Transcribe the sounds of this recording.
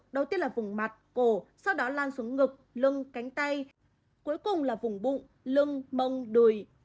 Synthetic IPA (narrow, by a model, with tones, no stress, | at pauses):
ɗə˨˩wt̪i˧˥ənlaː˨˩vʊ˨˩ŋ͡mma˨˩t̚ko˧˩sa˧wɗɔ˨˦laː˧nsu˨˦əŋŋɨ˨˩k̚lɨ˧ŋka˨˦jŋ̟t̪a˧j | ku˨˦jkʊ˨˩ŋ͡mlaː˨˩vʊ˨˩ŋ͡mɓṵ˧˨ŋ͡m | lɨ˧əŋmə˧wŋ͡mɗɨ˨˩j